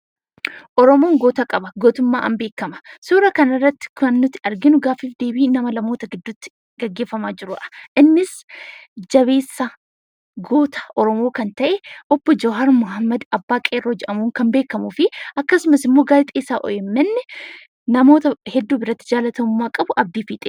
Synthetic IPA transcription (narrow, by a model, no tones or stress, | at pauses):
ʔɔɾɔmo̞ːŋɡoːt̪ɐkʼɐbɐɡo̞ːt̪ʊmːa̰ːʔɐ̰mbe̞ːkːɐmɐ̥soːɾɐkɐnɐrːɐt̪ːɪ̥kʊɐnːʊt̪ːɪɐɾɡɪnʊɡaːfiːfd̪e̞ːbiːnɐmɐlɐmo̞ːt̪ɐɡɪd̪ːʊt̪ːɪ̥ | ɡ̥ɐɡːeːfːɐmaːd͡ʒɪɾʊʔɐ̥ʔɪnːɪs | d͡ʒɐβe̞ːsːɐ | ɡo̞ːt̪ɐ̥ʔɔɾɔmo̞ːkɐnt̪ɐʔɛʔɔbːɔd͡ʒɔɦɐɾmʊɦɐmːɐd̪ɐbːaːkʼeːrːoːd͡ʒɛʔɐmuːŋkɐmbe̞ːkːɐmuːfɪʔɐkːɐsʊmɐsɪmːo̞ːɡaːlɪt̪ʼeːsaːʔɔ̰jɛmːɛnːɛ | nɐmo̞ːt̪ɐhɛd̪ːuːbɪɾɐt̪ːɪd͡ʒaːlɐt̪ɐmʊmːaːkʼɐbʊʔɐb̚d̪iːfiːt̪ʼe